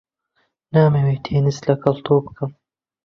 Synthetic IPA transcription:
naːmewet̪ʰeːnislɐkɐlt̪oːpkʰɐm

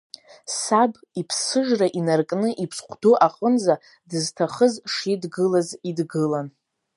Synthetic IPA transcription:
sab | ipʰsɨʒraʔinarkʼnɨʔipʰsχʷdoʔaqʼənza | dɨztʰaχəzʂidɡɨlazidɡɨlan

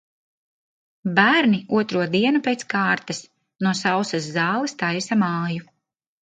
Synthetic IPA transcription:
bæːɾniuɔt̪ɾuɔd̪iɛnupejt̪skaːɾt̪ɐs | nuɔsawsɐsːɑːlˠist̪ajsamɑːju

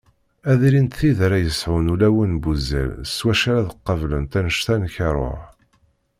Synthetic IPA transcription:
æðɾint̪θiðɾæjəsʕʊnulæwənbuzæ̰lswæʃæɾæðəqːəvlənt̪ænəʃt̪ænçɑɾˤo̰ɾ

